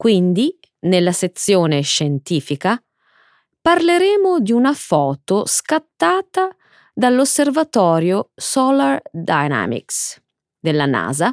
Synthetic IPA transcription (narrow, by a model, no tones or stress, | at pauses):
kwind̪i | nelːaset̪sːjoːneʃɛnt̪iːfika | parleɾeːmod̪iunafɔːt̪oskat̪ːaːt̪a | d̪alːosːervat̪ɔːɾjosɔlard̪ajna̰mḭks | d̪elːana̰ːza